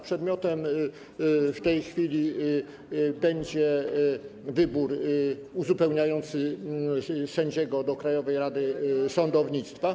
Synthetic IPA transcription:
pʂɛd̪mʲjɔt̪ɛm | ft̪ɛjxfʲilʲi | bɛɲd͡ʑɛ | vɘbuɾuzupɛwɲajɔnt̪sɘ | sɛɲd͡ʑɛɡɔd̪ɔkɾajɔvɛjɾad̪ɘsɔnd̪ɔvɲit̪st̪fa

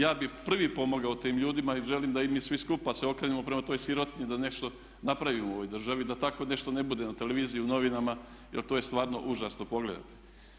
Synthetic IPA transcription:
jaːbipr̩ʋipo̞moɡaot̪iːmʎuːd̪imaiʒe̞limd̪aimiːsʋiskupaseo̞kɾeːnemo̞pɾe̞mat̪o̞ːjsjiɾo̞t̪ɲid̪ane̞ʃt̪o̞ | napɾaʋimooʋo̞jd̪r̩ʒaʋid̪at̪ako̞ne̞ʃt̪o̞ne̞bud̪e̞nat̪ele̞ʋiːzijiuno̞ʋinama | jelt̪ojest̪ʋaːɾno̞̰ʔuʒasno̞po̞ɡle̞̰d̪a̰t̪i̥

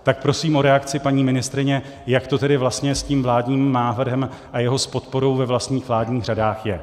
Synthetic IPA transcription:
t̪ak̚pɾo̞siːmʔo̞ɾɛakt͡sɪpaɲiːmɪnɪst̪ɾɪɲɛ | jakt̪o̞t̪ɛdɪvlast̪ɲɛsciːmvlaːdɲiːmnaːvr̩ɦɛmʔajɛɦo̞spo̞t̪̚po̞ɾo̞wvɛvlast̪ɲiːxvlaːdɲiːxr̝adaːxjɛ

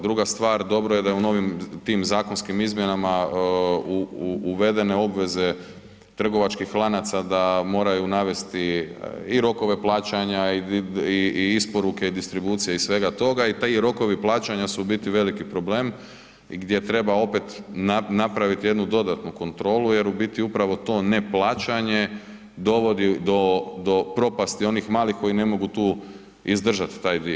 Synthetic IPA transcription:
d̪ɾuɡast̪ʋaːɾd̪o̞bɾo̞je̞d̪ajeuno̞ʋimt̪iːmzaːko̞nskimizmje̞nama | uːʋe̞d̪e̞ne̞o̞bʋe̞ze̞ | t̪r̩ɡo̞ʋat͡ʃkixːlˠanat̪sad̪amo̞ːɾajunaʋe̞st̪iiɾo̞ko̞ʋe̞plˠaːt͡ʃaɲaiiiispo̞ɾuke̞id̪ist̪ɾibuːt̪sijeisʋe̞ɡat̪o̞ɡait̪aɾo̞ko̞ʋiplˠaːt͡ʃaɲasubit̪iʋe̞likipɾo̞ble̞ːm | ɡd̪je̞t̪ɾe̞bao̞pe̞t̪nanapɾaʋit̪ije̞d̪nud̪o̞d̪at̪nuko̞nt̪ɾo̞ːluje̞ɾubit̪iupɾaʋo̞t̪o̞ːne̞plaːt͡ʃaɲe̞ | d̪o̞ʋo̞d̪id̪o̞d̪o̞pɾo̞past̪io̞nixmaːlixko̞ine̞mo̞ɡut̪uː | izd̪r̩ʒat̪i̥t̪aːjd̪i

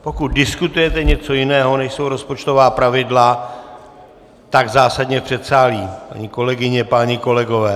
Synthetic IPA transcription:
po̞kut̪̚dɪskut̪ujɛt̪ɛɲɛt͡so̞jɪnɛːɦo̞nɛʃso̞wɾo̞spo̞t͡ʃt̪o̞vaːpɾavɪdla | t̪aɡzaːsadɲɛpr̥ɛt̪saːliːpa̰ɲiːko̞lɛɡɪɲɛpaːɲɪko̞lɛɡo̞vɛː

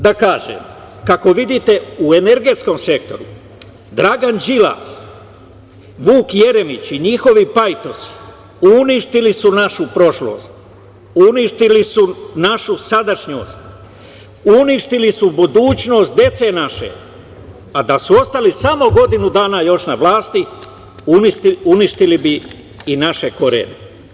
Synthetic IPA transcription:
d̪akaːʒḛːm | kako̞ʋid̪it̪e̞uene̞ɾɡe̞t̪sko̞mse̞k̚t̪o̞ɾṵ | d̪ɾaɡand͡ʒila̰ːs | ʋuːkje̞ɾe̞mit͡ɕiɲixo̞ʋipajt̪o̞si̥ | uniʃt̪ilisunaʃupɾo̞ʃlo̰ːst̪̚ | uniʃt̪ilisunaʃusad̪aʃɲo̰ːst̪ | uniʃt̪ilisubud̪uːt͡ɕno̞ːst̪̚d̪je̞t̪se̞ːnaʃe̞̰ | ad̪asuo̞st̪alisamo̞ɡo̞d̪inud̪aːnajo̞ʃnaʋlaːst̪i | unisuniʃt̪ilibiː | naʃe̞koɾḛnḛ

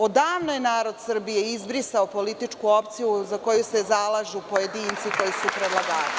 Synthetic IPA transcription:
od̪aːʋnojenaːɾo̞d̪sr̩bije̞izbɾisaopo̞lit̪it͡ʂkuo̞pt̪sijuzako̞juse̞zalˠaːʒupo̞je̞d̪iːnt̪siko̞jisupɾed̪lˠaɡaːɾ

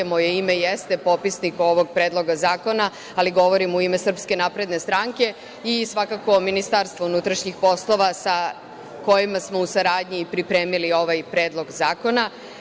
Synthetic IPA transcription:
mojeime̞jest̪e̞po̞pisniko̞ʋo̞ɡpɾe̞ːd̪lˠo̞ɡazaːko̞na | aliɡo̞ʋo̞ɾimuime̞sr̩pske̞naːpɾe̞d̪ne̞st̪ɾaŋke̞ | isʋakako̞ːminist̪aɾst̪ʋounut̪ɾaʃɲixpo̞slˠo̞ʋasa | ko̞jimasmo̞usaɾaːd̪ɲipɾipɾe̞ːmilio̞ʋajpɾeːd̪lo̞ɡzaːko̞na

